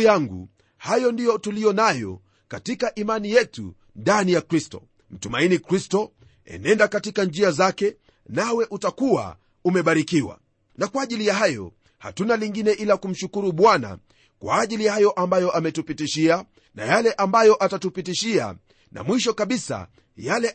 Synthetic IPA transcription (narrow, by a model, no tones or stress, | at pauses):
jaŋɡṵ | hajɔndijɔtulijɔnajɔ̰ | katikaʔimanijɛtṵ | ndanijakɾistɔ̰ | m̩tumainikɾistɔ | ɛ̰nɛndakatikand͡ʒiazakɛ | nawɛʔutakuwa̰ | umɛɓaɾikiwa̰ | nakwaːʄilijaɦajɔ̰ | ha̰tunaliŋɡinɛʔilakum̩ʃukuɾuɓwana̰ | kwa̰ːʄilijahajɔʔambajɔʔamɛtupitiʃia | na̰jalɛʔambajɔʔatatupitiʃia̰ | na̰mwiʃ̬ɔkaɓisa̰ | jalɛ